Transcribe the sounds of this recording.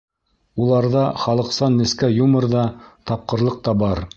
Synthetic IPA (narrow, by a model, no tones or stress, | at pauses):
ulˠɑɾðɑχɑlˠɤ̆qsɑnːɘ̆skæjumɤ̆ɾðɑt̪ɑp̚qɤ̆ɾlˠɤq̚t̪ɑbɑɾ